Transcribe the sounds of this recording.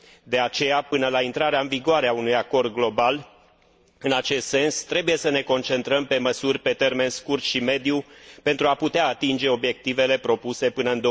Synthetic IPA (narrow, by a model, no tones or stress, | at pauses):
d̪e̞at͡ʃe̞japɨnəlaint̪ɾaɾeaɨnviɡoaɾeaunujako̞rd̪̚ɡlo̞bal | ɨnat͡ʃe̞st̪se̞nst̪ɾe̞buje̞səne̞ko̞nt͡ʃe̞nt̪ɾəmpe̞məsurʲpe̞t̪e̞rme̞nskurt̪ʃime̞d̪jupe̞nt̪ɾuaput̪eaːt̪ind͡ʒe̞o̞bje̞k̚t̪ive̞le̞pɾo̞puse̞pɨnəɨnd̪o